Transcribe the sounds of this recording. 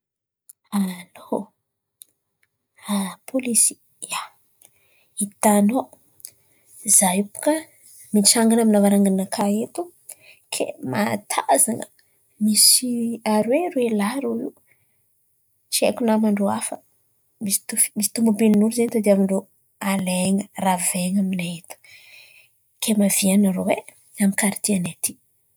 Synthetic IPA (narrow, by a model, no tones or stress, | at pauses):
alo | apʰolisi̥ | a | it̪ano | zajupu̥ka | mit͡ʃaŋɡanaminavaɾaŋɡanakʰaet̪u | kʰḛma̰t̪ʰazaŋə̰ | misiaɾweɾwelaɾoiu | t͡ʃiḛkunamaɳɖ͡ʐoafə | misi̥t̪ufmisi̥t̪umubilinuɾzent̪ad̪amiɳɖ͡ʐo | aleŋəraveŋaminaet̪u̥ | kʰemavianarowe | amikaɾit̪ianat̪i̥